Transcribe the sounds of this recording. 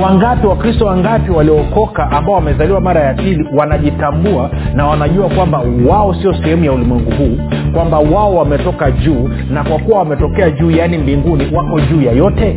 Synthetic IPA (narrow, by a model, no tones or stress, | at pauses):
waŋɡapiwakɾistɔwaŋɡapiwaliɔkɔkaʔambaɔwamɛzaliwamaɾajapiliwanaʄitambua | nawanaʄuakwambawaɔsiɔsɛhɛmujaulimwɛŋɡuhuː | kwambawaɔwamɛtɔkaʄuː | nakwakuwawamɛtɔkɛaʄuːjanimbiŋɡuniwakɔʄuːjajɔtɛ